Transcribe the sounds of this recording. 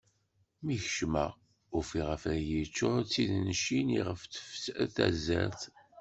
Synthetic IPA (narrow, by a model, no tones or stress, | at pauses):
miçəʃmæ̰ | ufiʁəfæjəit͡ʃːʊɾt͡sːiðnʃiniʁəft̪ə̥fsθæ̰zæ̰ɾθ